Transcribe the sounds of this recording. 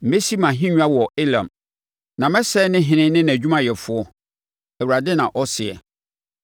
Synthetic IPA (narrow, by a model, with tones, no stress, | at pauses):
m̩˨me˦si˦mã˨ɦĩ˦ɲᶣu˦a˦wɔ˨e˦lã̰˨m | nã˨mɛ˦sɛ˦nɪ̃˦ɦɪ̃˨nɪ̃˦nɪ̃˦n˨æ˨d͡ʑᶣu˦mã˨jɛ˨fʊ˦ɔ˦ | æ˨wu˨ɾa˨dɪ˦nã˨ʔɔ˦sɪ˨ɛ̰˨